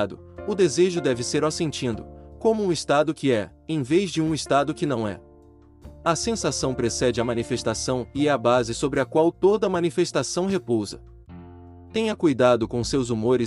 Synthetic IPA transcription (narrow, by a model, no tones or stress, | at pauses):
d̪ʊ | ʊd̪ezeʒʊd̪ɛvɪseɾɔsẽnt͡ʃĩnd̪ʊ̰kõmʊũɪst̪ad̪ʊkɪɛ | ẽj̃vezd͡ʒɪũɪst̪ad̪ʊkɪnɐ̃w̃ɛ̰ | ɐsẽsasɐ̃w̃pɾesɛd͡ʒɪɐmɐ̃nifest̪asɐ̃w̃ɪɛɐbazɪsobɾɪɐkwawt̪od̪ɐmɐ̃nifest̪asɐ̃w̃ɦepowzɐ̰ | t̪ẽj̃ɐkujd̪ad̪ʊkõsewzumoɾɪ